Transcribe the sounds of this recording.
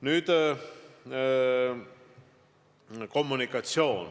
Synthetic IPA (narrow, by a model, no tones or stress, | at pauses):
nyːt̪ | komːunikːɑt̪sjoːn